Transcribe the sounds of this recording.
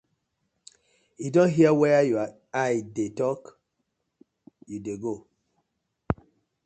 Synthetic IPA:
judõnɦiəwɛjua | ajdetɔk | judeɡo

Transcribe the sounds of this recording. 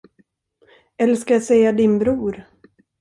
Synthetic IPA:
ɛlːəskajasɛjad̪ɪnbɾuːɾ

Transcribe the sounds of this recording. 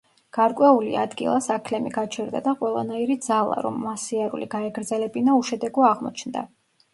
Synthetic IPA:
ɡ̥aɾkʼwɛulḭad̪ɡḭlˠasakʰlɛmiɡat͡ʃʰɛɾd̪a̰d̪aqʼwɛlˠa̰naiɾid̪zalˠa̰ɾɔ̰mːasiaɾṵlḭɡaɛɡɾd̪zɛlɛbinauʃɛd̪ɛɡɔaʁmɔ̰t͡ʃʰnd̪a̰

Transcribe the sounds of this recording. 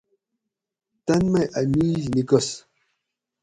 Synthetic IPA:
t̪ɐnmɐjʔɐmiːznikos

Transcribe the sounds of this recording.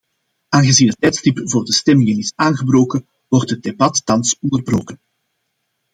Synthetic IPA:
aːnɣəziːnɦətːɛjtstipvoːrdəstɛmɪŋənɪsaːnɣəbroːkən | wɔrtɦəd̚debɑtːɑnsɔndərbro̰ːkən

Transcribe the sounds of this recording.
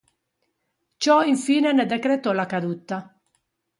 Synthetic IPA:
t͡ʃɔiɱfiːnɛnɛd̪ɛkɾet̪ɔlakad̪ut̪ːa

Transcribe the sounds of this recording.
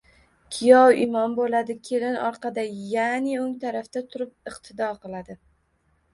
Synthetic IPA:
kʲʰɪjɒwɪmɒnbolad̪ɪkʲʰelɪnɒɾqʰɑd̪ajanɪoŋt̪ʰaɾaft̪at̪ʰʊɾɪp̚ɨqt̪ʰɪd̪ɒqɨlˠad̪ɪ

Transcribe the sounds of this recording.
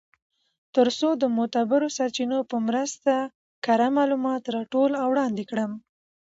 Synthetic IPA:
t̪əɾsod̪əmʊt̪abɪɾosaɾt͡ʃinopəmɾəst̪a | kaɾamɑlumɑt̪ɾɑʈolawɽɑnd̪ekɽəm

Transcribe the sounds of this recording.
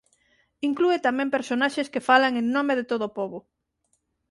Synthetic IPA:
iŋkluet̪amɛ̃mpeɾsonaʃeskefalaŋeŋnomeðet̪oð̞opoβʊ

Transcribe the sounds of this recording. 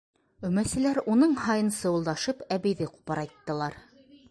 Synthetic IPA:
ɵ̆mæsɘ̆læɾunɤɴhɑjɤ̆nsɤulˠd̪ɑʃɤpæβɘ̆jðɘqu̥pɑɾɑjt̪ːɤ̆lˠɑɾ

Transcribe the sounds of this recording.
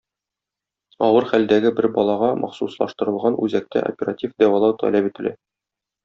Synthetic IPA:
ɒwɤɾχæld̪æɡɘbɘɾbɒlˠɑʁɑmʔɒ̰χsuslˠɑʃt̪ɤ̆ɾɤ̆lˠʁɑnʉzæk̚t̪æ̰ʔo̰pʲeratʲifd̪æwɑlˠɑwt̪ʰɒ̰læpit̪ɘ̆læ̰

